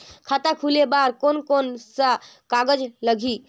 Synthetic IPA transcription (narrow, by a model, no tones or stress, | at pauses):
kʰat̪akʰulebaɾkonkonsəkaɡəd͡ʒləɡʱi